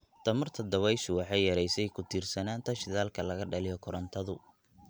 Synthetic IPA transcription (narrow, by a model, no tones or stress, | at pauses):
t̪ʰɐmɐrt̪ʰɐd̪ɐwɛjʃʊwɑħɑjjɐɾɛjsɛjkʰʊt̪ʰiːrsɐnaːnt̪ʰɐʃɪðaːlkʰɐlɐɣɐɖɐlɪjɔkʰɔɾɐnt̪ʰɐðʊ